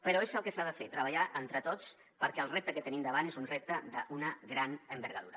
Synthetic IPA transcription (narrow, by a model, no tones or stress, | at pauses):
pəɾoezəlˠkəsaðəfet̪ɾəβ̞əʎaʔənt̪ɾət̪ot͡s | pəɾkɛəlˠrep̚t̪əkət̪ənimd̪əβanezunrep̚t̪əðəʔunəɣɾanəmbəɾɣəðuɾə